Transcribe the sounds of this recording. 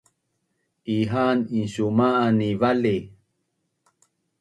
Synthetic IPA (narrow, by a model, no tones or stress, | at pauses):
ʔiɦaninɕumaanivale